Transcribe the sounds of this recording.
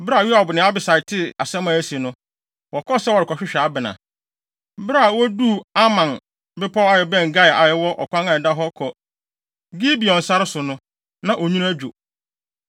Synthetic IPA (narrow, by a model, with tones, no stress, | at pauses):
bɪ˦ɾa˦˨ɥi˦a˨bʊ˨nɪ̃˨˦a˦bɪ˨sa˨ɪ˨tʰɪ˦a˨sɛ̃˦mã˨æ˦si˨nʊ̃˦ | wɔ˨kʰɔ˦sɛ˦wɔ˨ɾɪ˨kʰɔ˨ɕᶣɪ˦ɕᶣa˨˦bɪ˨nã̰˨ | bɾa˦˨wɔ˦du˦a˦mã˨n | bɪ˦pʰɔ˦a˨jɛ˨bɛ̃˦˨ŋ˨ɡa˦ja̰˨jɛ˦wɔ˦ʔɔ˨kʷʰã˦ŋã˨da˦ɦɔ˦kʰɔ˨ | ɡi˦bi˨ɔ̃˨n̩˨sa˦ɾɪ˦sʊ˨nʊ̃˦ | nã˨ʔo˨ɲũ˦ɾæ˦d͡ʑᶣo˨